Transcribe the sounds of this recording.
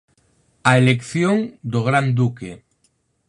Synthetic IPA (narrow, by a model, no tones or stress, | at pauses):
aelekθjoŋd̪oɣ̞ɾand̪uke